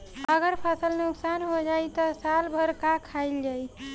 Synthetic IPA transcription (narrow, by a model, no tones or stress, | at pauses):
əɡəɾpʰasəlnuksanɦod͡ʒajt̪ɔsalbʱəɾkakʰaɪld͡ʒaj